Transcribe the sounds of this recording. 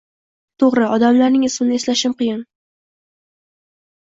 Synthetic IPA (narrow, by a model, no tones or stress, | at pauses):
t̪ʰoʁɾɪɒd̪amlaɾnɪŋɪsmɪnɪeslaʃɪmqɨjɪn